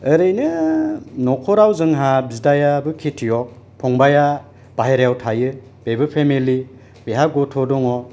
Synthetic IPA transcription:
ɯɾɯjnɯ | nɔkʰɔɾawzɯŋɦabizdajabɯkʰetʰijɔk̚ | pʰɔŋbaja | b̥aɦeɾjawtʰajɯ | b̥ebɯpʰemili | beɦaɡɔtʰɔdɔŋɔ

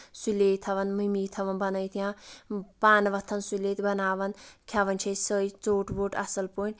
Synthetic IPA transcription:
suleːt̪ʰɐʋɐnmɨmiːt̪ʰɐʋɐnbɐnəjt̪ʰijãːpaːnʋɐt̪ʰːɐnsuleːt̪bɐnaːʋɐnkʲʰaʋɐnt͡ʃʰɐsəjt͡soːʈboːʈɐ̰sɐlpuːnʲ

